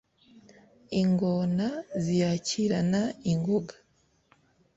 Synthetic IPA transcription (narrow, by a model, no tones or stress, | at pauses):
iŋɡonazijaciɾanaiŋɡoɡa